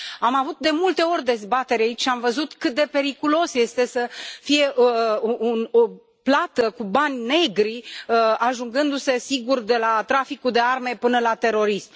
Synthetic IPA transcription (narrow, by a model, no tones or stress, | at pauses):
amavut̪̚d̪e̞mult̪e̞o̞rʲd̪e̞zbat̪e̞ɾʲait͡ʃʲʃiamvəzut̪kɨt̪̚d̪e̞pe̞ɾikulo̞sje̞st̪e̞səfije̞ʔuuno | plat̪əkubanʲne̞ɡɾiəaʒuŋɡɨnd̪use̞siɡurd̪e̞lat̪ɾafikuld̪e̞arme̞pɨnəlat̪e̞ɾo̞ɾism